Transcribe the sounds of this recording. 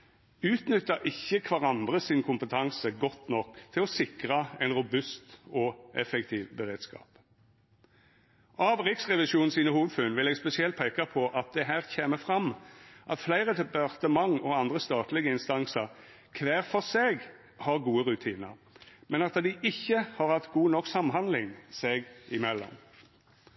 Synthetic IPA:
ʉːt̪nʏt̪ːəʔɪçːəkʰʋɑʁɑnd̪ʁəsɪnkʰʊmpət̪ʰɑŋsəɡɔt̪nɔkːt̪ʰɪlɔsɪkʁɑɛɪnʁʊbʉst̪ɔʔɛfɛk̚t̪ʰiːʋbəʁeːd̪skɑ̰ːp | ʔɑːʋʁɪksʁɛʋɪʃuːnn̩siːnəhuːʋd̪fʉːnʋɪlɛɡspɛsɪɛlt̪̚pʰeːkɑpʰɔʔɑt̪̚d̪ɛɦæːʁçeːməfʁɑmʔɑt̪flæɪʁət̪ʰɛpɑʁt̪əmɑŋɔɑnd̪ʁəst̪ɑːt̪lɪɡəɪnst̪ɑŋsəʁ | kʰʋæːʁfɔseːɡ | hɑʁɡuːəʁʉt̪ʰiːnə̰ | mɛnɑt̪d̪ɪʔɪçːəhɑʁhɑt̪ɡuːnɔksɑmɦɑnd̪lɪŋsɛɡʔɪmɛlːɔ̰m

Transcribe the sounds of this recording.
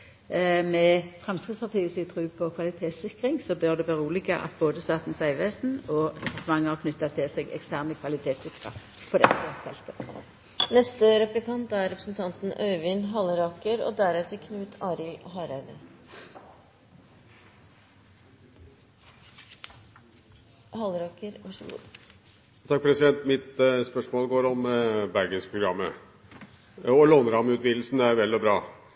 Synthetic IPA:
mɛfʁɛmskʁɪd̪sfɑʁt̪ʰiːəsɪt̪ʰʁʉːpʰɔkʰʋɑlɪt̪ʰeːt̪sɪkʁɪŋsɔbœʁd̪ɛʋøːʁuːlɪɡəʔɑ̰t̪boːd̪əst̪ɑːt̪nsæɪʋʋeːsn̩ɔd̪ɛpʰɑʁt̪əmɑŋːəhɑʁkʰnʏt̪ːɑt̪ʰːɪlseːɡɛ̰kst̪ʰæːʁnəkʰʋɑlɪt̪ʰeːt̪sɪkʁə̰ | pʰɔd̪ɛt̪ːəɔfʰɛ̰lt̪ʰə | nɛst̪əɾɛplɪkɑnt̪æɾɾɛpɾəsn̩t̪ʰɑnt̪n̩œʏʋɪnɦɑləɾɑkəɾo̰ːd̪æɾɛt̪ʰəkʰnʉːt̪ʰɑːɾɪlɦɑːɾæd̪ə | hɑlɾɑkəɾʋɑʂəɡṵːd̪ | t̪ʰɑk̚pʰɾɛsɪd̪ɛnt̪mɪt̪spœʂmoːlɡoːɾɔmbæɾɡəspʰɾʊɡɾɑmːə̰ | ɔlɔnəɾɑmʉːt̪ʋiːd̪l̩snæɾʋɛlːɔbɾɑː

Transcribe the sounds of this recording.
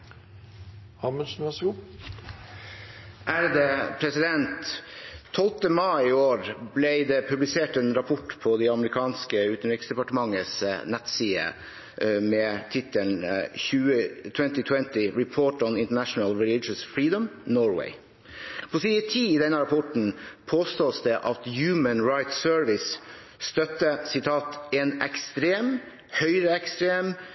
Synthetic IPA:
hɑməʃn̩ʋæsɡuː | ʔæɾd̪ɛpʰɾɛsɪd̪ɛnt̪ʰː | ɔlt̪əmɑɪɪoːɾblɛɪd̪ɛpʰʉblɪseːʈɛːnɾɑpʰɔʈpʰɔd̪ɛɑməɾɪkʰɑːnskəʉːt̪n̩ɾɪksd̪ɛpɑʈəmɑŋːəsnɛt̪siːə̰ | mɛːt̪ʰɪt̪əlnçʉːət̪ʰwɛnt̪ɪt̪ʰwɛnt̪ɪɹɪpʰoːʈɔnɪnt̪əɳæʂnəlɹɪlɪd͡ʒəsfɹiːd̪ɔmnɔːɹwḛɪ | pʰɔsiːət̪ʰiːɪd̪ɛnːəɾɑpʰɔʈn̩pʰoːst̪oːsd̪ɛʔɑt̪jʉːmənɹɑɪt̪søːɹʋɪs | st̪œt̪ːəsɪt̪ʰɑːt̪ɛnɛkst̪ɾeːm | hœʏɾəɛkst̪ɾeːm

